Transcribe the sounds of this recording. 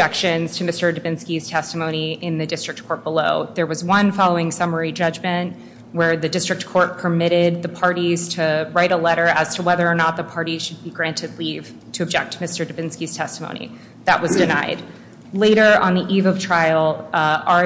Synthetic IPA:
ɛkʃɨ̃nz̥tʰɨmɪstə˞dɨbɪ̃nskiz̥tʰɛstəmõʊ̃ñiɪ̃nðɨdɪstɹ̥ɨk̚t̚kʰɔɹt̚b̥əloʊðə˞wʌzwʌ̃nfɑlˠoʊɪ̃ŋsʌmə˞id͡ʒʌd͡ʒmɨ̃nʔ | wə˞ðɨdɪstɹ̥ɨk̚tkʰɔɹt̚pʰə˞mɪɾɪd̪̚ðɨpʰɑɹɾiz̥tʰɨɹaɪɾəlɛɾə˞ɨz̥tʰəwɛðə˞ːnət̪̚ðəpʰɑɹɾiʃɨd̚biɡɹæ̃ntʰɨdˡliv̥ | tʰɨɨb̚d͡ʒɛk̚tʰəmɪstə˞dɨbɪ̃nskiz̥tʰɛstmõ̰ʊ̃nḭ | ðɨ̰ʔwʌzdɨnaɪd̚ | leɪɾə˞ʔə̰̃nðiʔivʌv̥tʰɹ̥aɪl̩ˠɑ

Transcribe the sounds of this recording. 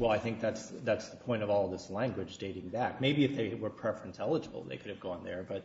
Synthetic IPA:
wɛlˠaɪθɪ̃ŋk̚ðætsðætsðəpʰɔ̃ɪ̃ñʌvɔlˠðɪslæ̃ŋɡwɨd͡ʒdeɪɾɪ̃ŋbæk̚meɪbiɨfðeɪwə˞pʰɹ̥ɛfɹɨ̃ntʰɛlˠəd͡ʒəbl̩ˠðḛɪkʰʊɾɨvɡɔ̃nðə̰˞bʌt̚

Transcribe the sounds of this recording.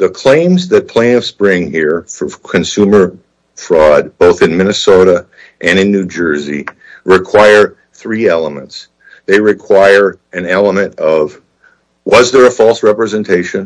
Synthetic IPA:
ðəkʰl̥ẽɪ̃mzðɨt̚pʰl̥eɪ̃fsb̥ɹɪ̃ŋhiɹfəkʰɨ̃nsʉmə˞ | fɹɔd̚b̥oʊθɨ̃nmɪ̃nɨsoʊɾə | ʔɨ̃nɨ̃nːʉd͡ʒɜ˞zḭ | ɹɨkʰw̥aɪə˞ | θɹiɛlˠəmə̰̃nts | ðeɪɹɨkʰw̥aɪə˞ | ɨ̃nɛlˠəmɨ̃nʌv | wʌzðə˞ɨfɔlˠsɹɛpɹɨzɛ̃ntʰeɪʃɨ̃n

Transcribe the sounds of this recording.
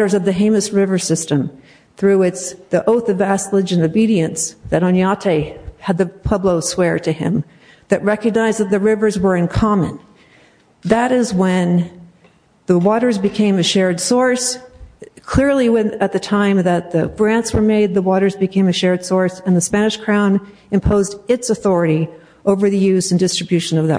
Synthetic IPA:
ɾə˞zʌvðɨɦẽɪ̃mɨsɹɪvə˞sɪstɨ̃m | θɹʉɪt͡ʃðiʔoʊθʌvæslɨd͡ʒɨ̃nobiɾiɨ̃nsðɨɾõnjɑtʰeɪɨd̪̚ðɨpʰʌbloʊswɛɹɾɨɪ̰̃m | ðɨʔ̚ɹɛkɨɡ̚naɪzðɨt̪̚ðɨɹɪvə˞zwə˞ɨ̃nkʰɑmɨ̰̃n | ðəɾɪzwɨ̃n | ðəwɔɾə˞zbɨkʰẽɪ̃mɨʃɛɹdsɔɹs | kʰl̥ɪɹlˠiwɨ̃nɨt̪̚ðɨtʰãɪ̃mðɨt̪̚ðɨɡ̥ɹæ̃ntswə˞meɪd̪̚ðəwɔɾə˞zbɨkʰẽɪ̃mɨʃɛɹd̥sɔɹsɨ̃nðɨspænɨʃkʰɹ̥ãʊ̃n | ɨ̃mpʰoʊzdɨtsəθɔɹɨɾi | ʔoʊvə˞ðɨjʉzɨ̃n̩dɪstɹ̥ɨbjʉʃɨ̃nʌvðɨ̰

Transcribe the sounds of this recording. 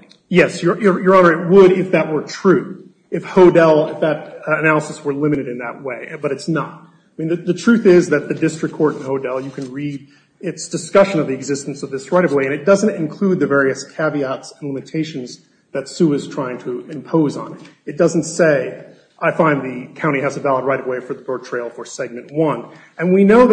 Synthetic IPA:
jɛsjə˞jə˞jə˞ɑnə˞ɨt̚wəɾɪfðɨt̚wə˞tʰɹ̥ʉ | ɨfhoʊdɛlˠɪfðɨɾɨnælˠəsəswə˞lɪ̃mɨɾɨɾɨ̃nðɨ̰ʔ̚weɪbʌɾɨtsnə̰t̚ | aɪmĩnðɨðɨtʰɹ̥ʉθɪzðɨt̪̚ðɨdɪstɹ̥ɨkʰɔɹɾn̩hoʊdɛlˠjɨkʰɨ̃nɹiɾ | ɪtsd̥ɨskʌʃɨ̃nʌvðiɨɡzɪstn̩sʌvðɪsɹaɪɾʌvweɪɨ̃ñɨt̚d̥ʌzɨ̃ntɨ̃nkʰl̥ʉd̪̚ðɨvɛɹiɨskʰæviɑtsn̩lɪ̃mɨtʰeɪʃɨ̃n̩z | ðɨtsʉɨz̥tʰɹ̥aɪɪ̃ŋtʰɨɪ̃mpʰoʊzn̩ɪɾɨt̚d̥ʌzn̩tseɪ | ʔaɪfãɪ̃nðɨkʰãʊ̃ɾ̃iɨzɨvælˠəd̚ɹaɪɾʌvweɪfə˞ðəbɜ˞tʰɹ̥eɪlˠfə˞sɛɡ̚mɨ̃nʔwʌ̃n | ɨ̃nwinoʊ

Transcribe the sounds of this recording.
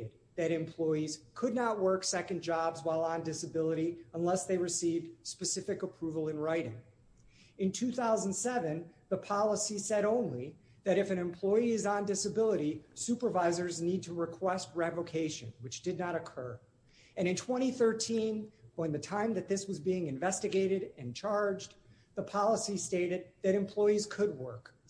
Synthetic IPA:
ɨd̪̚ðɨɾɨ̃mpʰl̥ɔɪiz̥kʰɨdⁿnət̚wɜ˞ksɛkɨ̃nd͡ʒɑbzwaɪlˠə̃ndɪsɨbɪlˠəɾiə̃nlɛsðeɪɹɨsivd̥spɨsɪfɨkəpʰɹ̥uvl̩ˠɨ̃nɹaɪɾɪ̰̃ŋ | ɨ̃ntʰʉθaʊzn̩dsɛvɨ̃nðəpʰɑlˠəsisɛɾõʊ̃nli | ðɨɾɨfɨ̃ñɨ̃mpʰl̥ɔɪiɨz̃ndɪsɨbɪlˠəɾisʉpə˞vaɪzə˞znid̚tʰəɹɨkʰw̥ɛst̚ɹɛvoʊkʰeɪʃɨ̰̃nwɨt͡ʃd̥ɨdⁿnəɾɨkʰɜ˞ | ɨ̃ɾ̃ɨ̃ntʰw̥ɛ̃ɾ̃iθɜ˞tʰĩnə̃nðɨtʰãɪ̃mðɨt̪̚ðɪswʌzbiɪ̃ŋɨ̃ɱvɛstɨɡeɪɾɨɾɨ̃nt͡ʃʰɑɹd͡ʒ | ðəpʰɑlˠəsisteɪɾɨd̪̚ðɨɾɨ̃mpʰl̥ɔɪiz̥kʰɨd̚wɜ˞k

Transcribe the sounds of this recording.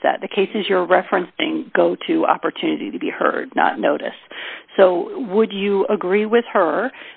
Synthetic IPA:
ðæ̰t̪̚ðɨkʰeɪsɨzjə˞ɹɛfɹɨ̃nsɪ̰̃ŋɡoʊɾɨɑ̰pə˞tʰʉnɨɾḭɾɨbihɜ̰˞dⁿnə̰tⁿnoʊɾɨ̰sːoʊwədɨəɡɹiwɪð̥hə˞

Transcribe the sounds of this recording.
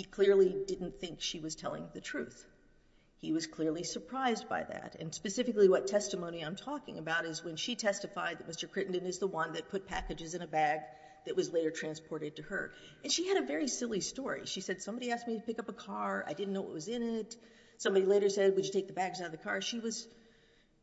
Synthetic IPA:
hikʰl̥ɪɹlˠidɪdⁿn̩θɪ̃ŋkʃiwʌz̥tʰɛlˠɪ̰̃ŋðɨtʰɹ̥ʉθ | hiwʌz̥kʰl̥ɪɹlˠisə˞pʰɹ̥aɪzba̰ɪðæ̰ɾɨ̰̃nspɨsɪfɨkliwʌtʰɛstɨmõʊ̃niãɪ̃mtʰɔkɪ̰̃ŋɨbaʊɾɨzwɨ̃nʃitʰɛstɨfaɪd̪̚ðɨt̚mɪstə˞kʰɹ̥ɪʔn̩dɨ̃nɨzðəwʌ̃nðɨt̚pʰʊt̚pʰækɨd͡ʒɨzɨ̃nɨbæɡ̚ | ðɨʔ̚wʌzleɪɾə˞tʰɹ̥æ̃nspʰɔɹɾɨd̚tɨə̰˞ | ɨ̃nʃiɨɾɨvɛɹisɪlˠistɔɹḭʃisɛd̥sʌ̃mbɑɾiæsk̚miɾɨpɪkʌpəkʰɑɹa̰ɪdɪdⁿn̩noʊwʌ̰t̚wʌzɪ̃nɪt | sʌ̃mbɑɾileɪɾə˞sɛd̚wɨd͡ʒɨtʰeɪk̚ðəbæɡzaɾðɨkʰɑɹʃiwʌz̥

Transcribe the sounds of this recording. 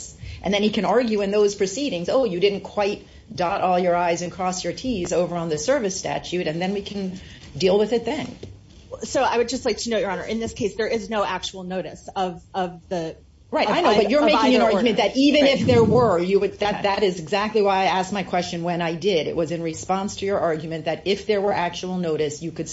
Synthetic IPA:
sʔɨ̰̃nðɨ̃nikʰɨ̃nɑɹɡjʉɨ̃nðoʊz̥pʰɹ̥ɨsiɾɪ̃ŋzoʊjɨdɪdⁿn̩kʰw̥aɪt̚ | d̥ɑɾʔɔlˠjə˞aɪzɨ̃nkʰɹ̥ɔsjə˞tʰizoʊvə˞ə̃nðɨsɜ˞vɨstæ̰t͡ʃʉɾɨ̃nðɨ̃nwikʰɨ̃n | dilˠwɨðɨt̪̚ðɨ̃n | soʊaɪwɨd̚d͡ʒʌstˡlaɪk̚tʰɨnoʊʔjə˞ɑ̃nə̰˞ʔɨ̃nðɪskʰeɪsðə˞ɪznoʊʔæk̚t͡ʃul̩ˠnoʊɾɨsʌvʌvðɨ | ɹaɪtaɪnoʊbʌt͡ʃə˞meɪkɪŋɨ̃nɑɹɡjmɨ̃nðɨɾʔivɨ̃nɪfðə˞wə˞jɨwɨd̪̚ðɨt̪̚ðɨɾɪzɨɡzæk̚tˡliwaɪaɪæsk̚maɪkʰw̥ɛst͡ʃɨ̃nwɨ̃naɪdɪɾɨ̰ʔ̚wʌzɨ̃nɹɨspɑ̃nstʰɨjə˞ʔɑɹɡjmɨ̃nðɨɾɪfðə˞wə˞ʔæk̚t͡ʃul̩ˠnoʊɾɨsjɨkɨd̥

